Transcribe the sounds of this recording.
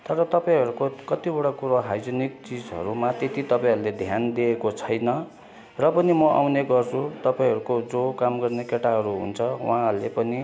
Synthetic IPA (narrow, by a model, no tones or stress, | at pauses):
t̪ʌɾʌt̪ʌpaĩɦʌɾukokʌt̪ibʌɽakuɾoɦajd͡zʌnik̚t͡sid͡zɦʌ̰ɾumat̪et̪it̪ʌpaĩɦʌɾuled̪ʱjand̪iekot͡sʰʌjnʌ | rʌpʌnimʌʔa̰wneɡʌrt͡sʰut̪ʌpaĩɦʌɾukod͡zokamɡʌrnekeʈaɦʌɾuɦṵnt͡sʰʌwa̰ɦãlḛpʌni